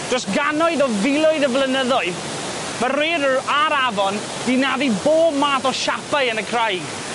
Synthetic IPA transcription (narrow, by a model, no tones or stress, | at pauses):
d̥rɔsɡanɔɨðɔvɪlˠɔɨðəvlˠənəðɔɨð | məreːɾəaɾavɔn | d̥inaðiboːb̚maːθɔʃapaɨənəkʰrajɡ